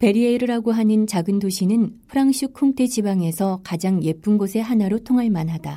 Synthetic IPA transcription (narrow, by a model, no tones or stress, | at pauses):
pe̞ɾieɾɯɾaɡoɦanɯnt͡ɕaɡɯndoɕʰinɯnpʰɯɾaŋɕ͈ʰɯkʰuŋtʰe̞d͡ʑibaŋe̞sʰʌkad͡ʑaŋje̞p͈unɡosʰe̞ɦanaɾotʰoŋɦaɭmanɦada